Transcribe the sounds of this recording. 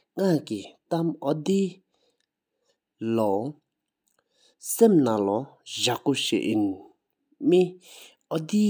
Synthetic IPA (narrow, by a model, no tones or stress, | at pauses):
ŋakit̪amɔd̪i | lɔ | semnalɔʑakuɕḛʔin | mi | ɔd̪i